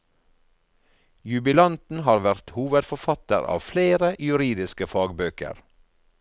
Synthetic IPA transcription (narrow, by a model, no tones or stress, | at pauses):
jʉbɪlɑnt̪n̩hɑːɾʋæʁt̪huːʋəd̪fɔfɑt̪ə̰ɾɑ̰ːʋfleːɾəjʉɾiːd̪ɪskəfɑːɡbøːkə̰ɾ